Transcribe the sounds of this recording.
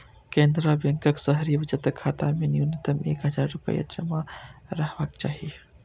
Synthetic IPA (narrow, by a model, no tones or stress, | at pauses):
kẽnd̪ɾabẽŋkəksəɦɾibɪd͡ʒət̪kʰːaːt̪amenjunət̪əmḛːkɦəd͡ʒaːɾːʊpə̰ja̰d͡ʒə̰maɾəɦbaːkt͡ʃaːɦi